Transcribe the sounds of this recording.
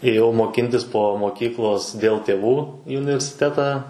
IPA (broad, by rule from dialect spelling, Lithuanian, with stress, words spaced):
eːˈjɛʊ moːˈkʲɪnʲtʲɪs poː moːˈkʲiːklˠoːs dʲeːlˠ ˈtʲeːʋuː iː ʊnʲɪʋʲɛrʲsʲɪˈtʲæːtɑː